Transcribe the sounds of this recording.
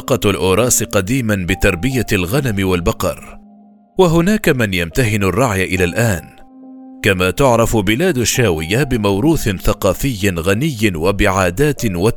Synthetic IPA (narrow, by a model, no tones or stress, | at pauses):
qɑlʔʊːɾˤɑːsɪqɑd̪iːmanbɪt̪ɑɾˤbɪjalɣanamɪwalbɑqɑ̰ɾˤ | waɦʊnaːkamɪnjamt̪aɦɪnarˤːɑʕjaʔɪlaːlʔaːn | kamaːt̪ʊʕɾˤɑfʊbɪlaːd̪aʃːaːwɪjːabɪmawɾuːθɪnθaqɑːfɪjːɪnɣanɪjːɪwabɪʕaːd̪aːt̪ɪwa